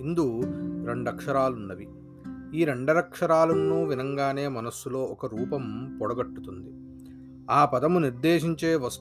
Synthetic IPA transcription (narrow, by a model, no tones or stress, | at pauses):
ind̪uɾe̞ɳɖɐkʂɐɾaːlunːɐʋi | iːɾe̞ɳɖɐɾɐkʂɐɾaːlɐnːuːʋinɐŋɡaːne̞ːmɐnɐsːulo̞ːɔkɐɾuːpɐmpɔɽɐɡɐʈːu̥t̪und̪i | aːpɐd̪ɐmuniɾd̪eːʂ̬iɲt͡ʃeːʋɐs